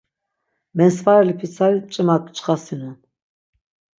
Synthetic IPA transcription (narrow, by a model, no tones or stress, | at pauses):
mɛnsvaɾɛlipʰisʰaɾit͡ʃʼimakʼt͡ʃʼχasinun